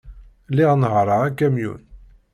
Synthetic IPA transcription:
liʁnəɦɾˤəʁækːæmjṵn

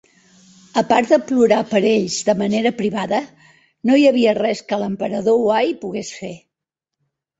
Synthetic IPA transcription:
əpaɾd̪əpluɾapəɾeʎzðəməneɾəpɾiβaðə | nojəβ̞iərɛskələmpəɾəðowajpuɣesfe

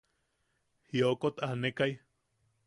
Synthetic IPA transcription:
hiokot̪ahnekaj

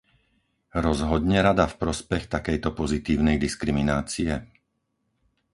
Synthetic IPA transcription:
ɾɔzɦɔd̪ɲɛɾad̪afpɾɔspɛxt̪akɛjt̪ɔpɔzit̪iːʊnɛjd̪iskɾiminaːt͡sijɛ

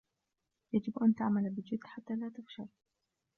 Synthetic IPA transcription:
jad͡ʒɪbʔant̪ɪʕmalbɪd͡ʒɪd̪ħat̪ːaːlaːt̪ɪfʃal

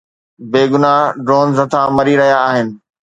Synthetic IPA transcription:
beːɡʊnaɖɾoːnzɐt̪ʰãmɐɾiɾɐɦijaːɦɪnɪ̆

